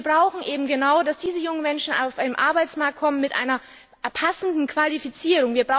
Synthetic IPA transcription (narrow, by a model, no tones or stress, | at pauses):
ɐbʁaʊxn̩ʔeːbm̩ɡənaʊdasd̥iːzəjʊŋənmɛnʃn̩a̰ʊfʔaɪnəmʔa̰ɐbaɪt͡smaɐk̚t̚kʰɔmənmɪtʔa̰ɪnɐ | pʰasn̩dn̩kv̥alifit͡siːʁʊŋviːɐbʁaʊ